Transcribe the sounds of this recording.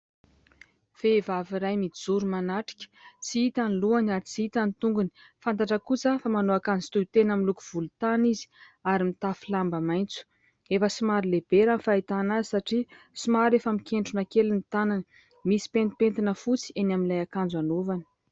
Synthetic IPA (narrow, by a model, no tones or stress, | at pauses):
fevaviɾajmid͡zuɾumanaʈ͡ʂi̥kʲə̥t͡siit̪aniluanaɾit͡siit̪anit̪uŋɡuni̥fant̪aʈ͡ʂəkut͡səfamanoakand͡zi̥t̪ujt̪enamilukuv̥ulut̪anizi̥ | aɾimit̪afilambamajnt͡su̥ | efəsimaɾileb̥eɾanfait̪anazisaʈ͡ʂi | simaɾefəmikʰeɳʈ͡ʂunakelinit̪anan | misi̥pent̪ipent̪inəfut͡si̥enaminlajakand͡zanovani̥